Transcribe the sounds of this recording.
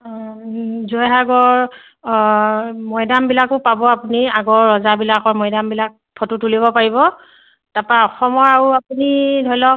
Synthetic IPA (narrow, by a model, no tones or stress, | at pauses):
zɔjɦaɡɔɹ | mɔjdambilakʊpabɔapuniaɡɔɹːɔzabilakɔɹmɔjdambilak̚pʰɔtutuliβɔpaɹibɔ | tapaɔxɔmɔɹaɹuapunidʱɔjlɔ